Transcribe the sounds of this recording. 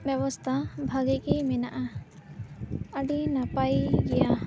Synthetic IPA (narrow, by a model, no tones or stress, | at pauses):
bjɛwɔst̪ʰabʱaɡɛkimɛnaʔa | əɖinapajɡɛja